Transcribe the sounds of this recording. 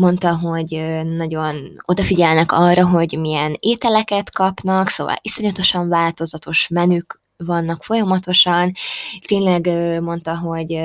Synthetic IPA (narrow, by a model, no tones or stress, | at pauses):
mo̞nt̪ɒɦo̞ɟːɒɟo̞no̞d̪ɒfiɟɛlnɛkɒrːɒɦo̞ɟmijɛneːt̪ɛlɛkɛt̪kɒpn̪ɒkso̰ːvɒ̰liso̞ɲɒt̪o̞ʃɒɱvaːlt̪o̞zɒt̪o̞ʃmɛnyk | vɒnːɒkfo̞jɒmɒt̪o̞ʃɒnt̪eːɲlɛɡmo̞nt̪ɒɦo̞ɟ